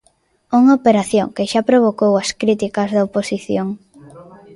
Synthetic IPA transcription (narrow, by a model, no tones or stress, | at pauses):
uŋaopeɾaθjoŋkeʃapɾoβ̞okowɐskɾit̪ikɐzðɐoposiθjoŋ